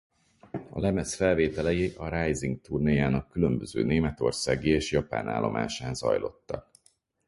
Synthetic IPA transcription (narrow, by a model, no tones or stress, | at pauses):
ɒ̰lɛmɛsfɛlveːt̪ɛlɛjiʔɒɾajziŋɡ̚t̪urnijaːnɒkːylømbøzø̰ːneːmɛt̪o̞rsaːɡieːʃjɒpa̰ːna̰ːlːo̞̰mʔa̰ːʃaːnzɒ̰jlo̞̰t̪ːɒk̚